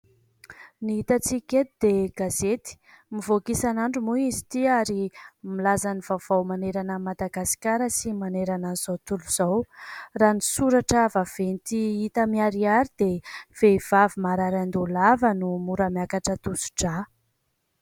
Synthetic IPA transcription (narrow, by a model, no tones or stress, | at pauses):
niit̪at͡sikʲet̪id̪eɡ̥azet̪i̥ | mivokisanaɳɖ͡ʐumuizi̥t̪iaɾimilazanivav̥awmaneɾanəmad̪aɡasi̥kʲaɾəsimaneɾananz̥awt̪uluz̥awranisuɾaʈ͡ʂəvav̥enit̪iit̪əmiaɾiaɾid̪ev̥ev̥avimaɾaɾand̪ulavənumuɾəmjakaʈ͡ʂət̪usu̥ʈ͡ʂa